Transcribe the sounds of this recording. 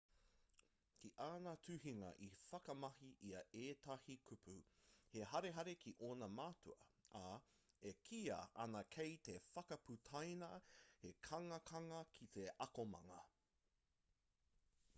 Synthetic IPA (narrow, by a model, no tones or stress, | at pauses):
kiʔaːnɐtʰʉhiŋɐ̰ʔifɐkɐmɐɦiʔiɐeːtɐhikʰupʰʉheɦɐɾe̞ɦɐɾe̞kʰiʔoːnɐmaːtuɐ̰a | ekʰiːɐ̰ɐ̰nɐkʰejt̪efɐkɐputʰɐjnɐhekʰɐŋɐkʰɐŋɐkʰit̪ʰeʔɐkomɐ̰ŋɐ